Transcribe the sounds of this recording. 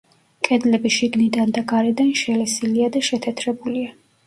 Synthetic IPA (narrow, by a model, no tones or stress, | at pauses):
kʼɛd̪lɛbiʃiɡnid̪and̪aɡaɾɛd̪anʃɛlɛsiliad̪aʃɛt̪ʰɛt̪ʰɾɛbulia